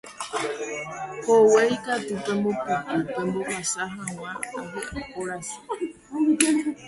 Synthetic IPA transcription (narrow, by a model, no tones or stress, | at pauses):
howejkat̪upẽmbopokɨpẽmbokasaɦãw̃ãaɦeʔakoɾasi̥